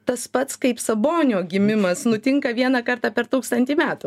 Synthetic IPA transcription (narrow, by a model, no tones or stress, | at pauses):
t̪ɐspɐt̪skɐɪpsɐboːnʲɪoːɡʲɪmʲɪmɐsnʊt̪ʲɪŋkɐʋʲiɛnɑkɐrt̪ɑːpʲɛɾt̪uːkst̪ɐnʲt̪ʲiːmʲæːt̪u